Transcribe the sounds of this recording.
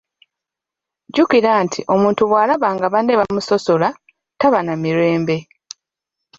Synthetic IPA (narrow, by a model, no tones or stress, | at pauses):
ɟukiɾaːntʰiʔo̞muːntuβwaːlaβaːŋɡaβaneβamuso̞so̞la | taβanamiɾe̞ːmbe̞